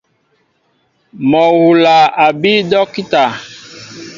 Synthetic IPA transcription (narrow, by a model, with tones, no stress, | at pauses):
mɔ˨wu˨la˨a˨bi˦dɔ˦ki˦ta˨